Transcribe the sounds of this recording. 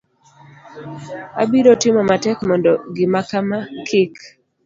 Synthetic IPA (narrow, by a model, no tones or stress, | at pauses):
a̰biɾotɪmɔmatɛkmɔndɔɡɪmakamakʰɪk